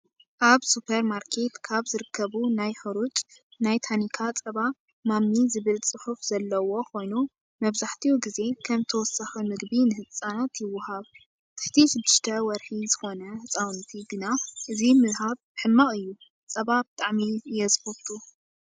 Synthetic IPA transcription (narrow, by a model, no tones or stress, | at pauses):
ʔaβsupʰɐɾmaɾkʰe̞t̪kʰaβzɨɾɨkʰːɐβunajħɨɾut͡ʃʼnajt̪ʰanikʰat͡sʼɐβa | mamnizɨβɨlt͡sʼɨħufz̥ɐlːɐwo̞kʰo̞jnu | mɐβzaħt̪ʰiuɡize̞kʰɐmt̪ʰɐwɔsaximɨɡbinɨhɨt͡sʼːanat̪jɪwːʊhaβ | t̪ʰɨ̥ħt̪ʰiʃɪd̪ːɨʃt̪ʰɐwɔɾħizɨxo̞nɐhɨt͡sʼawnt̪ʰiɡɨnaʔɨzimɨlɦaβbɨħɨmːaχʼɨjːu | t͡sʼɐβabɨt̪ʼaʕmiɨjːɛzɨxot̪ʰʼu